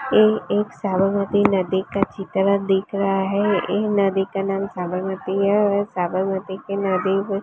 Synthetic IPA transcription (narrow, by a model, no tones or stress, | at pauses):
eeːksaːbəɾmət̪inəd̪ikat͡ʃɪt̪ɾad̪ɪkʰɾɐɦaɦɛenəd̪ikanaːmsaːbəɾmət̪iɛsaːbəɾmət̪ikenəd̪iʋ